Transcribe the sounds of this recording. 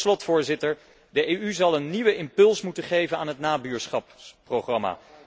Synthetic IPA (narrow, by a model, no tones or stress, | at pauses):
slɔtfʊːɹzɪtəɹ | dəʔejyzɑlˠənːiʋəɪmpɵlˠsmutəχejvənaːnɦətnaːbyːɹsχɑpprowχrɑma̰ː